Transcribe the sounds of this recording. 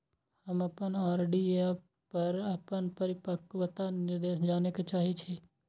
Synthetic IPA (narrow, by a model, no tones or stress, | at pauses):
həmɐpənaːɾeɖi | pəɾəpənpəɾɪpəkʋət̪anɪɾd̪eːʃd͡ʒaːneket͡ʃaːɦit͡ʃʰeː